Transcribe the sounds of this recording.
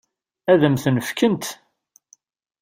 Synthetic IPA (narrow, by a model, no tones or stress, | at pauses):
æðəmθənəfkənt̪